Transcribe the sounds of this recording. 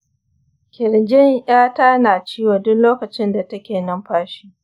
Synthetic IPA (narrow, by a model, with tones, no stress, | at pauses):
kʲɪ˨ɾd͡ʒɪ˦ɲʔaː˦taː˦naː˨t͡ʃiː˦woː˨dʊ˦nloː˦kɐ˨t͡ʃɪ˦nda˨tɐ˦kʲeː˨nɐ˦mɸaː˦ʃiː˦